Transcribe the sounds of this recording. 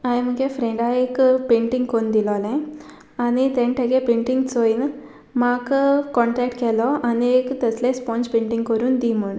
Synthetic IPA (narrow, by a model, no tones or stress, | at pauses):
ajmɐkepʰɾeɳɖaːjkpeːɳʈiŋɡkond̪iloːlẽ | ɐnit̪eɳʈɐɡeːpeːɳʈiŋɡsoːjin | maːkukɔɳʈɾɛːk̚ʈkɛloːʔɐneːkɐt̪ɐsleːspoːnt͡ʃpeːɳʈiŋɡkoɾund̪iːmuɳ